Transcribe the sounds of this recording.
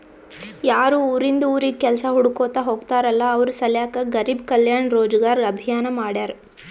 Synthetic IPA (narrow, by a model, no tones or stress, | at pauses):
jaːɾuːuːɾind̪ɐuːɾikɛlsɐɦuɽukoːt̪aɦoːɡt̪aːɾɐlːɐːʋɐɾusɐljaːkɐɡɐɾiːbkɐljaːɳɾoːd͡ʒɐɡaːɾɐbʱijaːnɐmaːɽaːɾ